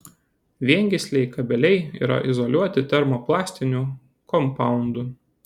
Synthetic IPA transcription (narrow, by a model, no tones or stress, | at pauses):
ʋʲiɛŋʲɡʲɪsʲlʲɛɪkɐbʲɛlʲɛɪḭːɾɐ̰ʔɪzɔlʲuɔt̪ʲɪt̪ʲɛɾmoːplˠɑːsʲt̪ʲɪnʲuːˑ | kɔmpɑˑʊnd̪u